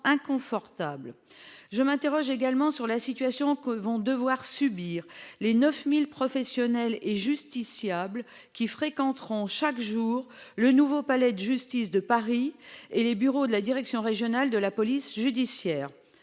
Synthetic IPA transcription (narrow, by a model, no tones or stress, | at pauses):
ɛ̃kɔ̃fɔʁt̪abl | ʒəmɛ̃t̪eʁɔʒeɡalmɑ̃syʁlasit̪ɥasjɔ̃kəvɔ̃d̪əvwaʁsybiːʁlenœfmilpχɔfɛsjɔnɛleʒyst̪isjabl | kʲifχekɑ̃t̪χɔ̃ʃakʒuːʁlənuvopalɛd̪əʒyst̪isd̪əpaʁielebyʁod̪əlad̪iʁɛksjɔ̃ʁeʒjɔnald̪əlapɔlisʒyd̪isjɛːʁ